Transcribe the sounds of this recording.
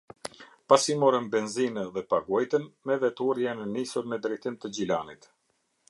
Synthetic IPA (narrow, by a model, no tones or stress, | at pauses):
pasimɔɾəmbɛnzinəðɛpaɡɔjt̪ənmɛvɛt̪uɾjanənisuɾmɛd̪ɾɛjt̪imt̪əd͡ʑilanit̪